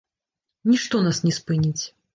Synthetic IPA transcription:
nʲiʂt̪ɔnasnʲɛspɨnʲit͡sʲ

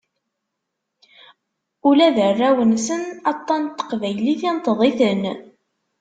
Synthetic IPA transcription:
ulæðərːæwənsənɑt̪ˤːɑnt̪ːə̥qvæjliθint̪ːəðˤiθən

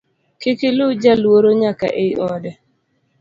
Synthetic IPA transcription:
kɪkɪlʊd͡ʒalwoɾoɲaka̰ʔeiɔdɛ

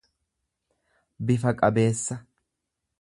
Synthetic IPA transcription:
bɪfɐkʼɐbe̞ːsːɐ

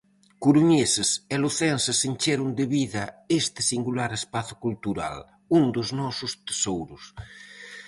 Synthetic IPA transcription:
kuɾuɲeseseloθɛnsesenʲt͡ʃeɾund̪eβiðɐest̪ɪ̥siŋɡulaɾespaθu̥kult̪uɾa̰l | und̪oznɔsust̪e̥sowɾus

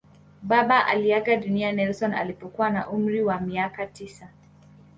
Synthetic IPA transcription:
ɓaɓaʔa̰liaɡaɗunianɛlsɔna̰lipɔkuwanaʔum̩ɾiwamiakatisa

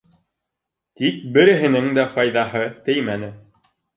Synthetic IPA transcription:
t̪ik̚bɘ̆ɾɘ̆ɦɘ̆nɘŋd̪æqɑjðɑɦɤt̪ɘjmænɘ

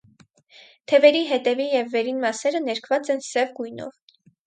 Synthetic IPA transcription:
t̪ʰɛvɛɾiɦɛt̪ɛvijɛvːɛɾinmɑsɛɾənɛɾkʰvɑt͡sɛnsɛvɡujnɔ̰v

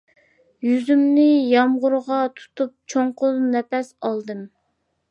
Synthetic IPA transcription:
jyzymnɪjɑmʁʊɾʁɑt̪ʰu̥t̪ʰup̚t͡ʃʰoɴqʊnɛpɛsɑlˠd̪ɨm

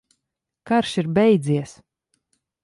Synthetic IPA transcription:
kaɾʃiɾbɛjd̪ziɛs

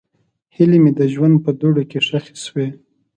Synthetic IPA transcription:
hilemed̪əʒwand̪̚pəd̪oɽokeʂaxi̥swe

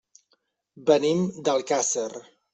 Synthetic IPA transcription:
bənimd̪əlˠkasər

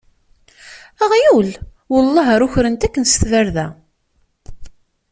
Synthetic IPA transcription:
æʁjul | wʊlˤːɑɦəɾʊçɾənt̪ækːnst̪væɾðæ

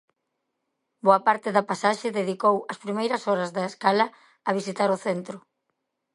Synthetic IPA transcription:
boɐpaɾt̪ɪðɐpasaʃɪðeðikowɐspɾimejɾɐsɔɾɐzðɐeskalɐ | ɐβisit̪aɾʊθent̪ɾʊ

